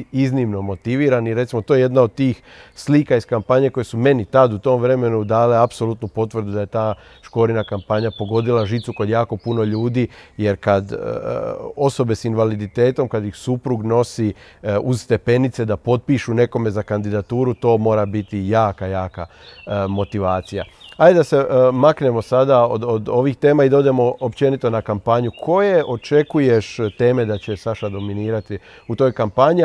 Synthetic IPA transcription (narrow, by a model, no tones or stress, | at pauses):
iznimnomo̞t̪iʋiːɾaniɾet̪simo̞t̪ojeje̞d̪naod̪̚t̪iːx | sliːkaiskampaɲe̞ko̞jesume̞nit̪ad̪ut̪o̞mʋɾe̞me̞nud̪aːle̞apso̞lut̪nupo̞t̪ʋr̩ɾd̪ud̪aje̞t̪aː | ʃko̞ːɾinakampaɲapo̞ɡo̞d̪ilaʒit̪suko̞d̪jaːko̞puno̞ʎuːd̪iːje̞ɾkad̪̰ | o̞so̞be̞sinʋalid̪it̪e̞ːt̪o̞mkad̪jixsupɾuɡno̞siuzst̪e̞pe̞nit̪se̞d̪apo̞d̪̚piʃune̞ko̞me̞zakand̪id̪at̪uːɾut̪o̞ːmo̞ːɾabit̪ijaːkajaːka | mo̞t̪iʋaːt̪sija̰hajed̪ase̞makne̞mo̞sad̪aod̪od̪o̞ʋixt̪e̞ːmaid̪o̞d̪emo̞opt͡ʃe̞nit̪o̞nakampaɲukʰo̞je̞ʔo̞t͡ʃe̞kuje̞ʃt̪e̞ːme̞d̪at͡ɕesaʃad̪o̞miniːɾat̪i | ut̪o̞ːjkampaɲi